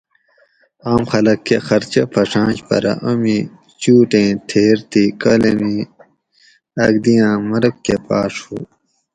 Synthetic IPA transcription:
aːmxɐlɐkːexɐɾt͡ɕɐpʰɐʂãːɕpɐ̰ɾɐ̰ʔumi | t͡ɕuːʈẽːt̪ʰeːɾt̪ikɐlemi | ɐɡd̪ijãːmɐɾkːepa̰ːʂhṵ

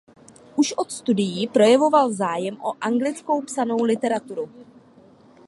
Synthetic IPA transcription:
ʔuʃʔo̞t̪st̪udɪjiːpɾo̞jɛvo̞valzaːjɛmʔo̞̰ʔaŋɡlɪt͡sko̞wpsano̞wlɪt̪ɛɾat̪uɾu

